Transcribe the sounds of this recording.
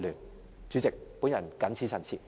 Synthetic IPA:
lyː˨˩n | t͡ʃy˨˧˥t͡sɪ˨k̚pu˨˥njɐ˨˩nkɐ˨˥nt͡sʰiː˨˥sʰɐ˨˩t͡sʰḭː˨˩

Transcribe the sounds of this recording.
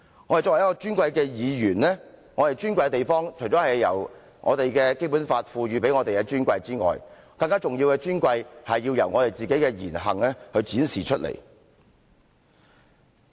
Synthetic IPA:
ŋɔ˨˧he˨jɔː˧˥wjkɔ˧t͡ʃyː˥nkʷɐ˧jkɛː˧jiː˨˧jyː˨˩nlɛ˥ŋɔː˨˧t̪e˨˩jt͡ʃyː˥nkʷɐ˧jt̪e˨jfɔː˥ŋt͡ʃʰɵ˨˩jt͡sɔː˨˥hɐ˨jːɐ̰˨˩w | ŋʔɔ̰ː˨˧t̪e˨jkɛː˧ke˥jpu˨˥nfaː˧t̚fuː˧ɥyː˨˧p̬e˨˥jŋɔː˨˧t̪e˨jɛ˧t͡ʃyː˥nkʷɐ˧jt͡siː˥ŋɔ̰ː˨j | kɐ˧ŋkaː˥t͡sʊ˨ŋjiː˧wkɛ˧t͡ʃyː˥nkʷɐ˧jhɐ˨jːiː˧wjɐ˨˩wŋɔː˨˧t̪e˨˩jt͡siː˨ke˨˥jkɛː˧jiː˨˩nɦɐ˨˩ŋlɛ˥hɵ˧ɥt͡siː˨˥nsiː˨t͡ʃʰɵ˥t̚lḛ˨˩j

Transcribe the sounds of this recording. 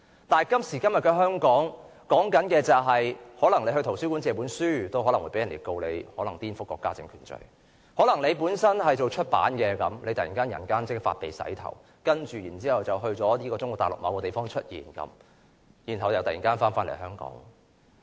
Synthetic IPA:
t̪aː˨˩nkɐ˥msi˨˩kɐ˥mjɐ˨t̚kɛ˧ɦœː˥ŋkɔː˨˥ŋ | kɔː˨˥ŋkɐ˨˥nkɛː˧t͡sɐ˨wɦɐ˨jhɔː˨˥lɐ˨˩ŋle˧ɦɵ˧t̪ʰo˨˩wsyː˥ku˨˥nt͡sɛː˨˧p̬uː˨˥nsyː˥t̪o˥whɔː˨˥lɐ˨˩ŋwu˨˥jpe˨˥jɐ˨˩nlḛ˨˩jko˧wle˨˧jhɔː˨˥lɐ˨˩ŋt̪iː˥nfʊ˥kːɔ̰ː˧˥kːaː˥t͡sɪ̰˧ŋkʰyː˨˩nt͡ʃɵ̰˨˩ɥ | hɔː˨˥lɐ˨˩ŋle˨˧jpuː˨˥nsɐ˥nhɐ˨jt͡ʃo˨wt͡ʃʰɵ˥t̚pa̰ː˨˥nkɛː˧kɐ˨˧mlʔe˨˧jt̪ɐ˨jḭ˨˩ŋkaː˥njɐ̰˨˩nŋkaː˥nt͡sɪ˥k̚fa̰ː˧t̚pe˨jsɐ̰˨˥jt̪ʰɐ̰˨˩w | kɐ˥nt͡ʃyː˨jiː˨˩nt͡siː˥hɐ˨wt͡sɐ˨wɦɵ˧ɥt͡sɔː˨˥liː˥kɔː˧t͡sʊ˥ŋkɔ˨˧˩t̪aː˨lʊ̰˨k̚ma̰˨˧wkɔː˧t̪e˨˩jfɔː˥ŋt͡ʃʰɵ˥t̚jḭː˨˩nkɐ̰˨˥m | jiː˨˩nɦɐ˨wjɐ˧wt̪ɐ˨jḭː˨˩ŋkaː˥nfaː˥nfaː˥le˨˩jɦœː˥ŋkɔ̰ː˨˥ŋ

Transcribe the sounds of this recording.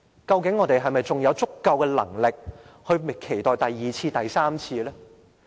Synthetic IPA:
kɐ˧wkɪ˨˥ŋːɔː˨˧t̪e˨jɦɐ˨jmɐ˨jt͡sʊ˨˩ŋjɐ˨˧wt͡sʊ˥kːɐ˧wkɛː˧lɐ̰˨˩ŋlɪ˨k̚ | hɵ˧ɥkʰe˨˩jt̪ɔː˨˩jt̪ɐ˨jːiː˨t͡sʰiː˧t̪ɐ˨jsaː˥mt͡sʰiː˧lɛː˥

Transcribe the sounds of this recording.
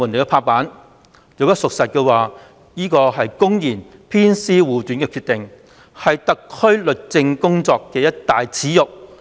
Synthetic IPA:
uː˨˩ne˨˧jɛ˧pʰaː˧paː˨˥n | jo˨˧wjɐ˥t̚sʊ˨k̚sɐ˨t̚kɛː˧waː˨ | jiː˥kɔː˧ɦɐ˨jkʊ˥ŋjiː˨˩npʰiː˥nsiː˥wuː˨˩t̪y˨˥nkɛː˧kʰy˧t̪ɪ˨ŋ | hɐ˨jt̪ɐ˨kʰːɵ˥ɥlɵ˨t̚t͡sɪ˧ŋkʊ˥ŋt͡sɔː˧kːɛː˧jɐ˥t̚t̪aː˨jt͡sʰiː˨˥jʊ˨k̚

